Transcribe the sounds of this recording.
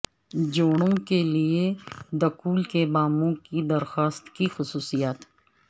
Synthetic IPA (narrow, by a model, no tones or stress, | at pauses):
d͡ʒoːɽ̃õkelied̪ɐkuːlkebaːmõkid̪ɐɾxaːst̪kixʊsuːsijaːt̪